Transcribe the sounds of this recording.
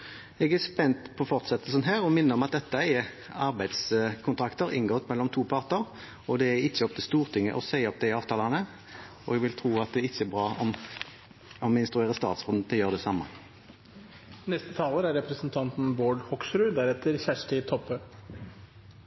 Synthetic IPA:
ɛɡæspɛnt̪pʰɔfɔʁt̪sɛt̪ːəlsənɦæːʁɔmɪnːəɔmɑt̪̚d̪ɛt̪ːəɛ | ɑʁbæɪd̪skʰʊnt̪ʰɾɑkt̪əɾɪ̰nɡɔt̪mɛlːɔmt̪ʰuːpʰɑʁt̪əʁ | ɔd̪ɛæɪçːəɔpt̪ʰɪst̪uːʁt̪ʰɪŋːə̰ʔɔsæɪɔpːd̪æɪɑːʋt̪ɑːlɑnə | ɔ̰ɛɡʋɪlt̪ʰʁuːɑt̪̚d̪ɛɪçːəɛbʁɑːɔm | ɔmɪnst̪ɾʉeːʁəst̪ɑ̰ːt̪sfɔd̪n̩t̪ʰɪjøːʁəd̪ɛsɑmːə | nɛst̪ət̪ʰɑːləɾæɾɛpɾəsnt̪ʰɑnt̪n̩boːɖhɔksɾʉːd̪æɾɛt̪ʰːəɾçæʂʈɪt̪ʰɔphø

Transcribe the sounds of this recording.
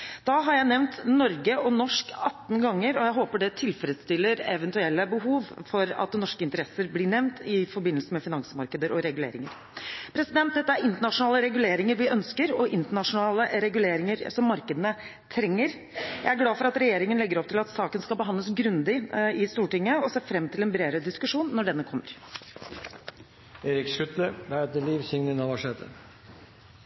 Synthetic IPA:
d̪̥ɑɦɑɾjæɪnɛʋnt̪nɔɾɡəʔɔnɔʂkɑt̪ːn̩ɡɑŋːəɾɔjæɪɦoːpəɖɛt̪ʰɪlfɾəd̪st̪ɪlːəɾɛ̰ʋɛnt̪ʉɛlːəbəɦuːʋfɔɾɑ̰t̪̚d̪nɔʂkəɪnt̪əɾɛsəɾblɪɳɛʋnt̪ʰɪfɔɾbɪnəlsəmɛfɪnɑŋsəmɑɾkəd̪əɾɔɾɛɡʉlḛːɾɪŋəɾ | pʰɾɛsɪd̪ɛnt̪̚d̪ɛt̪ːəæɾɪnt̪əɳɑʂʊnɑːləɾɛɡʉleːɾɪŋəɾʋɪʔœnskəɾɔʔɪnt̪əɳɑʂʊnɑːləɾɛɡʉleːɾɪŋəɾsɔmːɑɾkəd̪ənə | t̪ʰɾɛŋːəɾ | jjæ̰ɪæɾɡlɑːfɔɾɑt̪ɾɛjeːɾɪŋənlɛɡːəɾɔp̚t̪ʰɪlɑt̪sɑːkənskɑlbəɦɑnd̪ləsɡɾʉnd̪ɪɪst̪uːʈɪŋːəɔseːfɾɛmːt̪ʰɪlɛnbɾeːd̪ɾəd̪ɪskʉʂuːnːɔɖɛnːəkʰɔmːəɾ | eːɾɪksʉt̪ləʋæɛt̪əliːʋsɪŋnɪnɑʋɑʂeːt̪ə

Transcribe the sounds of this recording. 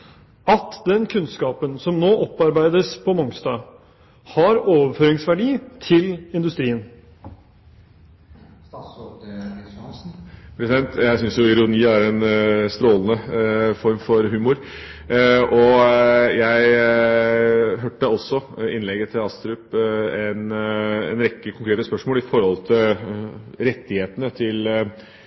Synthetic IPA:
ɑt̪d̪ɛnkʰʉnskɑːpənsɔmnoːʔɔpːɑɾbæɪd̪əspʰɔmɔŋst̪ɑː | hɑɾoːʋəɾføːɾɪŋsʋæɖiːt̪ʰɪlɪnd̪ʉst̪ɾiːən | pʰɾɛsɪd̪ɛnt̪jæɪsʏnsjʊɪɾʊniːæɾɛnst̪ɾoːlənəfɔɾmfɔɾɦʉːmʊɾ | ʔɔ | jæɪ | ɦøːʈːəɔsːɔɪnlɛɡət̪ʰɪlɑst̪ɾʉpɛnɛ̰nɾɛkːəkʰʊŋkɾeːt̪əspœʂmoːlɪfɔɾhɔlt̪ʰɪl | ɾɛt̪ːɪheːt̪ənət̪ʰɪl

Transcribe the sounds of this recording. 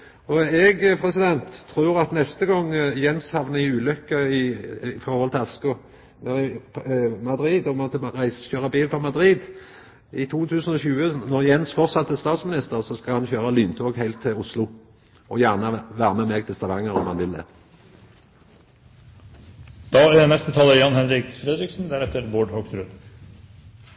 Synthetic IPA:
ɔɛɡpʰʁɛsɪd̪ɛnt̪ʰːɾuːʁɑt̪nɛst̪əɡɔŋːjɛnshɑʋnəɪʉːlʏkːəɪfɔʁhɔlt̪ʰɛɑskʊ | nɛʁɪ | mɑd̪ɾiːd̪ɔmɔt̪əʁæɪsə̥çøːʁɑbiːlpɔmɑd̪ʁiːd̪ | ɪt̪ʰuːt̪ʰʉːsənɔɕʉːənɔʁjɛnsfɔʁtsɑt̪ːəst̪ɑːt̪smɪnɪst̪əʁsɔskɑlhɑnçøːʁɑlyːnt̪ʰoːɡhæɪlt̪ʰːɪʊslʊ | ʔɔjæːʁnəʋæːʁəmɛmɛɡt̪ʰɪst̪ɑʋɑŋːəɾɔ̰mhɑnʋɪld̪ɛ̰ː | d̪̥ɑːæɖɛnɛst̪ət̪ʰɑːlːəjɑnhɛnɾɪkfɾɛd̪ɾɪksn̩d̪æɾɛt̪əɾboːɖhoɡsɾʉd̪

